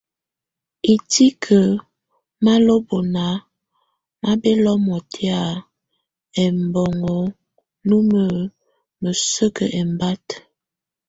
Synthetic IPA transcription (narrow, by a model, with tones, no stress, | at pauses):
i˨ti˦kʰə˨ | ma˦lo˦bo˨na˨˦ | ma˦bɛ˦lɔ˦mɔ˨tʰe˦a˨ | ɛ˨mbɔ˨ŋɔ˨˦ | nu˦mə˨ | mə˨sə˦kə˨ʔɛ˨mba˦t